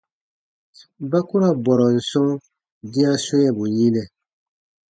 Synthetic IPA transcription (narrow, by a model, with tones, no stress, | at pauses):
ba˦ku˦ɾa˦bɔ˨ɾɔ˨n̩˨sɔ̃˦ | dĩ˦a˦so˦jɛ˨bu˨ji˦nɛ˨